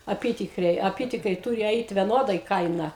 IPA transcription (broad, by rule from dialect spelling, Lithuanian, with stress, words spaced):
ɐˈpʲiːtʲɪkrʲɛɪ ɐˈpʲiːtʲɪkrʲɛɪ ˈtuːrʲɪ ˈɛɪt ʋʲɛˈnoːdɐɪ ˈkɐɪnɐ